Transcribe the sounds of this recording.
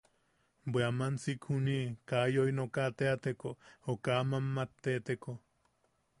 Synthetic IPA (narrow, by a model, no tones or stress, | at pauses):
bweamant͡sikhunikajoinokat̪eat̪ekookamamːat̪ːet̪eko